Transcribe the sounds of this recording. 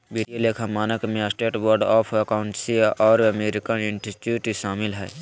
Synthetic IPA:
biʈijeleːkʰamaːnəkmẽɐsʈeːʈbəɾɖɔːpʰɐkaʊɳʈsiʔɔːɾɐmeːɾɪkənɪnʈiʈuʈiʃaːmɪlɦɛ̰ː

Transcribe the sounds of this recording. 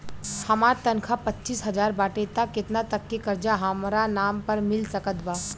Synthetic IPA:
hɐmaːɾt̪ɐnkʰapɐtːt͡ʃiːsɦɐzaːɾbaːʈet̪akːɪt̪nat̪ɐkːekɐɾd͡ʒaɦamɾanaːmpɐɾmɪlsɐkət̪baː

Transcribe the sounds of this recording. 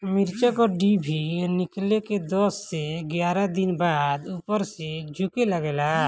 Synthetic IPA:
mɪɾt͡ʃəkɔːɾɖibʱinɪkleked̪ɔːsːeɡjaːɾad̪ɪnbaːd̪upəɾsed͡ʒʱʊkeləɡeːlaː

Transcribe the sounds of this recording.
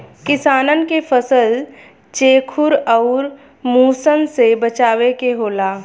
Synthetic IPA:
kɪsaːnənkepʰəsəl | t͡ʃeːkʰʊɾɔːɾ | muːsənsebət͡ʃaːwekeɦoːlaː

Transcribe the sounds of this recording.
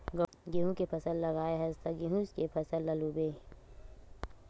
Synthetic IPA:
ɡ | ɡiɦũkepʰɐsəllɐɡaːeɦɐzt̪aɡiɦũzkepʰɐsəlːɐlubeː

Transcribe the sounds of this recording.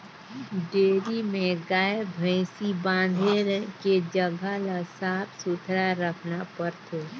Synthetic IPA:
ɖeːɾimẽɡaːebʱə̃ɪsibãːnd̪ʱeɾked͡ʒəɡʱalasaːpsʊt̪ʰɾaɾəkʰnapəɾt̪ʰo

